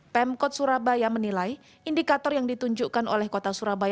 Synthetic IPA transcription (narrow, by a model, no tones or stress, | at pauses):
pɛmkɔt̪̚suɾabajamənilaj | indikat̪ɔrjaŋdit̪uɲd͡ʒukano̰lɛhkot̪asuɾabaj